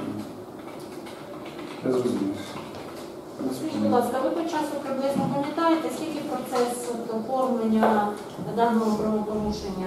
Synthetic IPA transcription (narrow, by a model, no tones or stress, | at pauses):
ɐzumʲḭ | sʲibɔd̪lˠɑskɐʋɪpɔt͡ʃɑsʊkɾɪmlˠɪznɔpɐmʲjɐnt̪ɑjet̪ɛsʲkʲilʲkɪpɾɔt̪sɛsɔt̪ɔfɔrmlenʲːɐ | nɐd̪ɑnɔɦɔpɾɐʋɔpɔɾuʃenʲːɐ